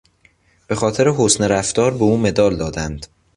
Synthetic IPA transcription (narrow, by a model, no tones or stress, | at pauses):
b̥e̞xɒːt̪ʰe̞ɾeɦosneɾæft̪ɒːɾbeuːme̞d̪ɒːld̪ɒːd̪ænd̪̥